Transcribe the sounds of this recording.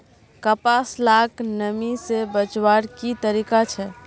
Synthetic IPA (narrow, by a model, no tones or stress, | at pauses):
kəpaslaknəmisebət͡ʃwaɾkit̪əɾikat͡ʃʰɛ